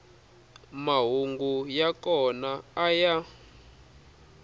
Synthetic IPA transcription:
maɦuŋɡujakɔnaːja

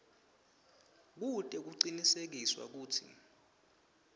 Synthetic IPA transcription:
k̬utʼɛk̬uǀinisek̬iswa̰k̬uːtʰḭ

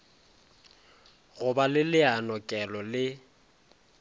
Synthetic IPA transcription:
ɣʊbalɪlɪanɔkʼɛlɔlɪ

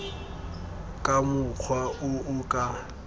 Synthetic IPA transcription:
kʼamʊk͡xʰwaʊʊkʼa

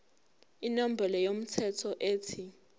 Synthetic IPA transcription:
inom̩bʱɛlɔjom̩tʰɛtʰɔʔeːtʰi

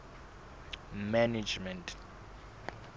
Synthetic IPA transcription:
manid͡ʒmɛ̃ntʰ

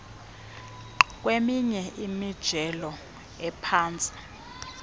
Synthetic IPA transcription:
k̬ʼwemiɲɛimid̥ʒ̥ʱɛlɔ | ɛpʰaːnt͡sʼi̥

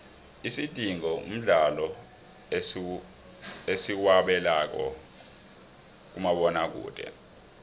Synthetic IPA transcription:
isid̥ʱiŋɔṵm̩ɮalɔ | esiwaɓɛlak̬ɔ̰ | k̬umaɓɔnak̬ṵːd̥ʱʼɛ̰

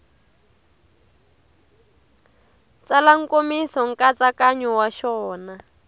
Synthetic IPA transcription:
t͡salaŋ̩komisɔŋ̩kat͡sakaɲɔwaʃɔːna

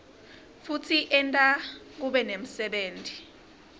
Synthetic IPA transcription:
futʰiʔɛntʼa | k̬uɓɛnem̩sɛɓeːntʼi̥

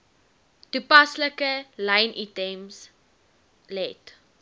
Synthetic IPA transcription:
tupɐsləkəlɐjnʔitɛms | lɛt

